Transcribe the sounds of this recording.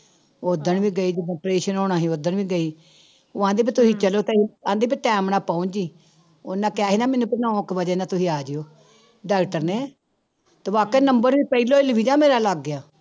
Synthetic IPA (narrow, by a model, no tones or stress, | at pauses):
oːd̪ənʋiːɡəiːd͡ʒɪd̪õːpɾeːʃənoːɽaːɦiːoːd̪əɳʋiːɡəiː | ʊãːd̪iːp̬it̪ʊsĩːt͡ʃəloːt̪eãːd̪eːp̬iʈɛːmnãːpaːũd͡ʒiː | oːnãːkaːɦiːnãːmɛnũːpɪnɔ̃ːkʋəd͡ʒeːnaːt̪ʊsĩːaːd͡ʒeoː | ɖaːkʈəɾneː | t̪eːʋaːkeːnəmbəɾʋiːpəiːloːɪlʋiːd͡ʒãːmeːɾaːlaɡːjaː